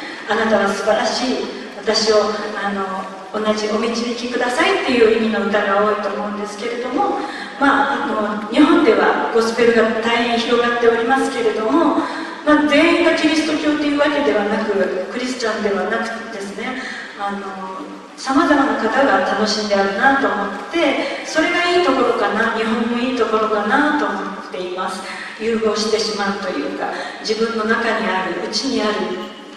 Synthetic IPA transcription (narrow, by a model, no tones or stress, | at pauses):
anat̪aɡasɨbaɾaɕiː | βat̪aɕio̞ano̞ː | naʑio̞mʲit͡ɕimʲikʲikɯ̟d̪asait̪ːe̞jɯ̟ːimʲino̞mit̪aɡeaoːit̪o̞ːmo̞ɯ̟̃nd̪e̞sɨ̥ke̞ɾe̞d̪o̞mo̞ | maano̞ɲ̟iɦõ̞nd̪e̞βaɡ̥o̞sɨ̥pe̞ɾɯ̟ɡat̪aiẽçiɾo̞ɡat̪ːe̞o̞ɾʲimasɨ̥ke̞ɾe̞d̪o̞mo̞ | mad͡zẽ̞ːĩŋɡakʲiɾʲisɨ̥t̪o̞kʲo̞ːt̪ːejɯ̟ːβake̞d̪e̞βanakɯ̟kɯ̟ɾʲisɨ̥t͡ɕãnd̪e̞βanakɯ̟̥d̪e̞sɨne̞ | ano̞ | samazamanakat̪aɡat̪ano̞ɕĩnd̪e̞aɾɯ̟nat̪o̞ːmo̞t̪ːe̞so̞ɾe̞ɡaiːt̪o̞ko̞ɾo̞kanaɲ̟iɦõ̞mːo̞iːt̪o̞ko̞ɾo̞kanat̪o̞ːmot̪ːe̞imasɨ̥ | jɯːɡo̞ːɕi̥t̪e̞ɕimaɯ̟t̪o̞jɯ̟̰ːkad͡ʑibɯ̟̃nːo̞nakaɲ̟iaɾɯ̟ʔɯ̟t͡ɕiɲ̟iaɾɯ̟